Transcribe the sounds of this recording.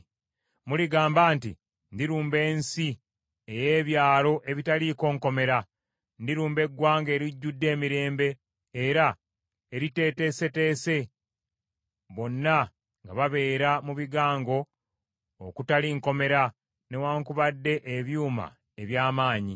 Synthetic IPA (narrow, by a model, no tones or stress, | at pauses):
muliɡaːmbaːnti | ndiɾuːmbe̞ːnsi | eje̞ːβjaːlo̞ʔe̞βitaliko̞ːŋko̞me̞ɾa | ndiɾuːmbe̞ɡwaːŋɡe̞ːɾiɟːudːe̞ːmiɾe̞ːmbe̞ː | ɾa | eɾite̞ːte̞se̞te̞ːse̞ | βo̞nːa | ŋɡaβaβe̞ːɾamuβiɡaːŋɡo̞ | okutaliŋko̞me̞ɾa | newaːŋkuβadːe̞ʔːβjuːma̰ | e̞βjaːmaːɲi